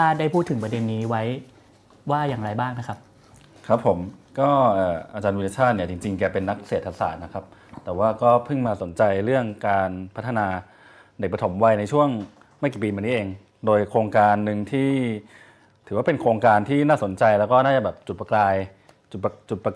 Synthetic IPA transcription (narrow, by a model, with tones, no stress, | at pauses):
t̪ʰa˥˩da˥˩jpʰuː˥˩t̪ʰːɯ˩˦ŋpɾa˧de˧nːiː˦˥wa˦˥j | waː˥˩jaː˨˩ŋɾa˧jbaː˥˩ŋna˦˥kʰa˦˥p̚ | kʰɾa˦˥pʰːo˩˦mkɔː˥˩ʔaː˨˩ʔaː˧t͡ɕaː˧nwu˧n˧˥t͡ɕʰaː˥˩t̪ni˥˩ɐt͡ɕi˧ŋt͡ɕi˧ŋkɛː˧pe˧nːa˦˥k̚se˨˩t̪̚ːʰa˧˥sa̰ː˨˩t̪̚na˦˥kʰa˦˥p̚t̪ɛː˨˩waː˥˩kɔː˥˩pʰɯ˥˩ŋnaː˥˩so˩˦nt͡ɕa˧jɾɯ˥˩əŋkaː˧npʰa˦˥t̪ʰːa˧naː˧ | de˨˩k̚pɾa˧t̪ʰo˩˦mwa˦˥jna˧jt͡ɕʰu˥˩əŋ | ma˥˩kiː˨˩piː˧ma˨˩niː˦˥ʔeː˧ŋ | doː˧jkʰɾoː˧ŋkaː˧nːɯ˧ŋt̪ʰiː˥˩ | t̪ʰɯː˩˦waː˥˩pe˧nkʰɾoː˧ŋkaː˧nt̪ʰiː˥˩naː˥˩so˩˦nt͡ɕa˧jlɛː˦˥wkɔː˥˩naː˥˩t͡ɕa˨˩bɛː˨˩p̚t͡ɕu˨˩t̪̚pa˧klaː˧j | t͡ɕu˨˩t̪pt͡ɕu˨˩t̪̚pa˧